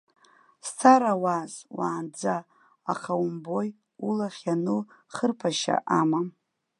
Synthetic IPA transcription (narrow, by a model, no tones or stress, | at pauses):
stʰaɾawazwaːnd͡zaː | χʰawumbo̞j | ulaχʲanɨ | χərpʰaʃa̰ʔama